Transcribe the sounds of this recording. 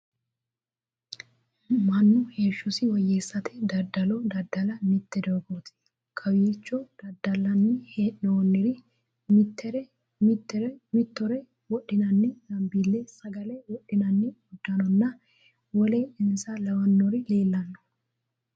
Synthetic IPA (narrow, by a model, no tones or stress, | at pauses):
mɐnːʊheːʃːʊsɪwɐjːeːsːɐt̪ɛd̪ɐd̪ɐlɔd̪ɐd̪ɐlɐmɪt̪ːɛd̪oɡoːt̪ʰɪ̥ | kʰɐwjeːt͡ʃːɔd̪̥ɐd̪ɐlɐnːɛheoːnːɪɾɪ | mt̪ːɛɾɛ | mɪt̪ːɛɾɛmɪt̪ːɔɾɛ | wɔɗːɪnɐnːɛd̪ɐmbilːesɐɡɐlɛwɔɗːɪnɐnːɛɔd̪ːɐnɔnːɐ | wɔleʔɪnsɐlɐwɐnːɔɾɪleːlːɐnːɔ̥